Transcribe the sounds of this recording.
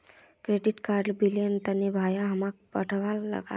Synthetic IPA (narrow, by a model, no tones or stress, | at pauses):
kɾeɖiʈkaɾlbilijənt̪ənebʱajaɦəmak̚pəʈʰʋalːə̰ɡa̰